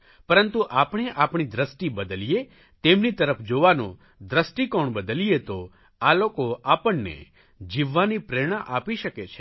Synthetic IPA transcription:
pəɾənt̪uʔapɳ̃eʔapɳ̃id̪ɾəsʈibəd̪əlije | t̪emnit̪əɾəpʰd͡ʒoʋanõ | d̪ɾəsʈikoɳbəd̪əlijet̪o | alokoapəɳːḛ | d͡ʒiʋːanipɾeɽ̃ãʔapiʃəket͡ʃʰe

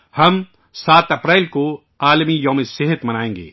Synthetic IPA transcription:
hɐm | saːt̪ɐpɾɛːlko | aːlmijɐːmeseɦət̪mɐnaːẽːŋɡḛː

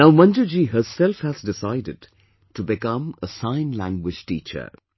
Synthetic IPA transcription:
naʊmʌ̃nd͡ʒəd͡ʒiɦəsɛlfhæzdɪsaɪdɪd | ʈubɪkʌ̃məsãɪ̃nlæ̃ŋɡwɪd͡ʒ̥ʈḭːt͡ʃə̰

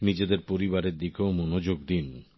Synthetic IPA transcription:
nid͡ʑed̪eɾpoɾibaɾeɾd̪ikeomonod͡ʑoɡd̪in

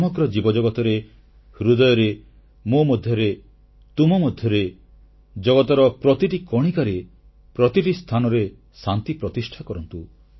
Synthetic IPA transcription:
mɔɡɾɔd͡ʒibɔd͡ʒɔɡɔt̪ɔɾe | hɾud̪ɔjɔɾe | momɔd̪ʱjɔɾe | t̪umɔmɔd̪ʱjɔɾe | d͡ʒɔɡɔt̪ɔɾɔpɾɔt̪iʈikɔɽ̃ikaɾe | pɾɔt̪iʈist̪ʰanɔɾe | sant̪ipɾɔt̪isʈʰakɔɾɔnt̪u

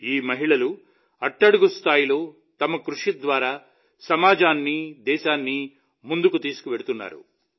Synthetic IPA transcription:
iːmɐɦiɭɐlu | ɐʈːɐɽuɡust̪ʰaːjilo̞ː | t̪ɐmɐkɾuʂid̪ʋaːɾaː | sɐmaːd͡ʒaːnːid̪ɛːʃaːnːi | mund̪ukut̪iːsu̥kuʋeɽut̪unːa̰ːɾṵ

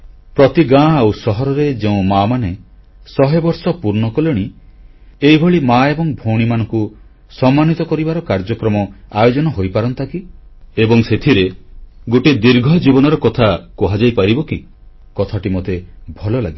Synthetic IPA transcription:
pɾɔt̪iɡãawsɔɦɔɾɔɾed͡ʒeũmamane | sɔɦebɔɾsɔpuɾnɔkɔlẽi | eibʱɔɭimaebɔŋbʱoɽ̃imanɔŋku | sɔmːanit̪ɔkɔɾibaɾɔkaɾd͡ʒɔkɾɔmɔajod͡ʒɔnɔɦojpaɾɔnt̪akiebɔŋset̪ʰiɾeɡoʈed̪iɾɡʱɔd͡ʒibɔnɔɾɔkɔt̪ʰakɔɦad͡ʒajpaɾibɔki | kɔt̪ʰaʈimot̪ebʱɔlɔlaɡi

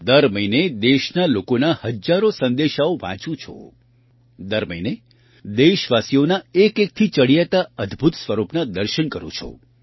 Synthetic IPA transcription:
d̪əɾməɦined̪eʃnalokonahəd͡ʒaɾosə̃nd̪eʃaoʋã̰t͡ʃũt͡ʃʰo̰ | d̪əɾməine | d̪eʃʋasijonaekek̚t̪ʰit͡ʃəɽijat̪aəd̪ʱbʱut̪sʋəɾupnad̪əɾʃənkəɾõ̰t͡ʃʰo̰

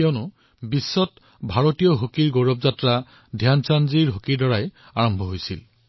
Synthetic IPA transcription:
ɛɔnʊ | bisːɔt | bʱaɹotijɔɦokiɹɡoɹɔbzatɹa | dʱjansanziɹɦokiɹdɔɹaj | aɹɔmbʱɔɦojsil

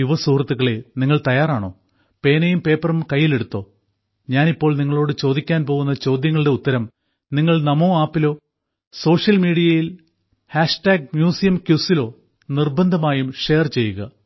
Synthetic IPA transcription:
juʋɐsuːrɐt̪ːuɣɐɭeniŋːɐɭt̪ɐjaːraːɳo̞̰ː | pe̞ːnɐjumpe̞ːpːɐrɐmkɐjːile̞ɽut̪ːo̞ː | ɲaːnipːo̞ːɭniŋːɐɭo̞ːɽɨt͡ɕo̞ːd̪ikʲːaːnpo̞ːɣun̪ːɐt͡ɕo̞ːd̪jɐŋːɐɭɨɽe̞ut̪ːɐɾɐm | niŋːɐɭnɐmoːaːpːilo̞ː | so̞ːʂjɐlmiːɽijɐjil | haːʂʈaːɡ̚mjuːsijɐmkjusilo̞ː | nirbɐnd̪ʱɐmaːjumʂe̞ːrt͡ɕe̞jːuɣɐ̰

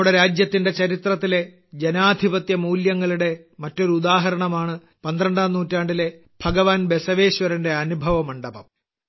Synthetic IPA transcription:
ɽeɾaːd͡ʑjɐt̪ːinde̞t͡ɕɐɾit̪rɐt̪ːile̞ | d͡ʑenaːd̪ʱibɐt̪jɐmuːljɐŋːɐɭuɽe̞ | mɐtːo̞ɾuud̪aːɦɐɾɐɳɐmaːɳɨ | pɐnd̪ɾɐɳɖaːnːuːtːaːɳɖile̞ | b̥ʱɐɡɐʋaːnbe̞sɐʋe̞ːɕʋɐɾɐnde̞ɐnubʱɐʋɐmɐɳɖɐbɐm

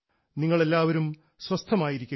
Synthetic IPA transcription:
niŋːɐɭe̞lːaːʋɐɾum | swɐst̪ʰɐmaːjiɾikʲːu

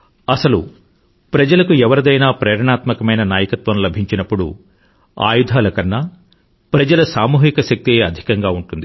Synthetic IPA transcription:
ɐsɐlṵ | pɾɐd͡ʒɐlɐkuɛʋɐɾɐd̪ɐjnaːpɾɛːɾɐɳaːt̪mɐkɐmɐjnɐnaːjɐkɐt̪ʋɐmlɐbʱiɲt͡ʃinɐpːuɽṵ | a̰ːjud̪ʱaːlɐkɐnːaː | pɾɐd͡ʒɐlɐsaːmuːɦikɐʃɐk̚t̪ieːɐd̪ʱi̥kɐŋɡaːuɳʈund̪i

